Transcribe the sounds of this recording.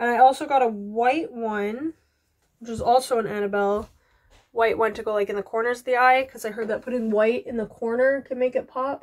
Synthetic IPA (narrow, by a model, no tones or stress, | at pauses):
aɪɔlˠsoʊɡɑɾəwaɪʔwʌ̃n | wət͡ʃwʌzɔlˠsoʊə̃næɾ̃ɨbɛlˠ | waɪʔwʌ̃ntʰɨɡoʊlaɪkɨ̃nðəkʰɔɹnə˞zðiaɪkʰʌzaɪɦɜ˞d̪̚ðɨt̚pʰʊɾɪ̃ŋwaɪɾɨ̃nðəkʰɔɹnə˞kʰɨd̚meɪkɨt̚pʰɑp̚